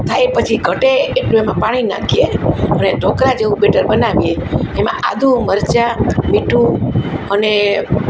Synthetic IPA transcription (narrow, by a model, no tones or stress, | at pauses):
t̪ʰajpət͡ʃʰiɡʱəʈeːʈluemãpaɽ̃ina̰kʰieəneɖʱokɾad͡ʒeʋũɓeʈəɾbənaʋijeemã̰ʔa̰d̪ʱũməɾt͡ʃamiʈʰũəne